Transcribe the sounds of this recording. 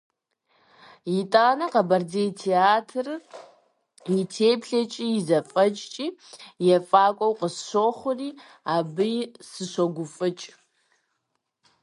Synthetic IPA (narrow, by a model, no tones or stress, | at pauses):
jitʼaːnɐqɐbɐrd͡zejtʰeaːtʰɨr | jɪtʰeːpɬɐt͡ʃʼiːjɪzɐfʼɐt͡ʃʼt͡ʃʼiːjɛfʼaːkʷʼɔwqəsɕʷoːχʷʊriː | aːbɨjsɨɕʷɔɡʷʊfʼɨt͡ʃʼ